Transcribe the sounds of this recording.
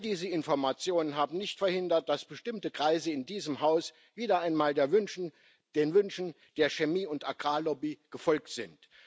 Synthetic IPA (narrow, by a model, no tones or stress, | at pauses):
ldiːzəɪnfɔɐmat͡sjoːnənɦaːbm̩nɪçtfɛɐhɪndɐt̚d̥asb̥əʃtɪmtəkʁ̥aɪzəɪndiːzəmhaʊs | v̥iːdɐʔaɪnmaːldeːɐvn | d̥eːnvʏnʃn̩ | d̥eːɐʃemiːʊntaɡ̥ʁaːlɔbiɡ̥əfɔlk̚tz̥ɪnt